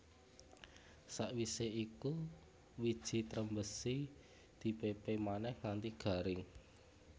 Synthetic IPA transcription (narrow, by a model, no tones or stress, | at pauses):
saʔwiseiku | wid̥ʒ̥i̤t̪ɾəmbəsi | d̪̥i̤pepemanɛhŋant̪iɡ̥a̤ɾɪŋ